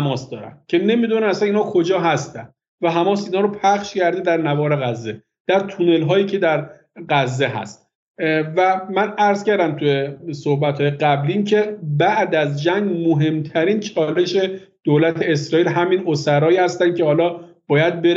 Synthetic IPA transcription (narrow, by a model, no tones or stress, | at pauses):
hæmɒːsd̪ɒːɾæ̰nd̪̥cʰe̞ne̞mid̪unæmæsæniːnhɒːkʰod͡ʒɒːɦæst̪ænd̪ | væɦæmɒːsiːnhɒːɾopʰæχʃcʰæɾd̪ed̪æɾnævɒːɾe̞ɣæzːe | d̪̥æɾt̪ʰune̞lɦɒːjiːcʰe̞d̪æɾ | ɢæzːeɦæ̰st̪ | væmænæɾz̥kcæɾd̪æmt̪ʰujesohbæt̪hɒːjeɡæbliːncʰe̞bæʔd̪æzd͡ʒæŋɟmoɦe̞mt̪ʰæɾiːnt͡ʃʰɒːle̞ʃe̞ | d̪̥oːlæt̪ʰe̞esɾɒːiːlɦæminosæɾɒːjihæst̪ænd̪kcʰe̞hɒːlɒː | b̥ɒːjæd̪̚beɾ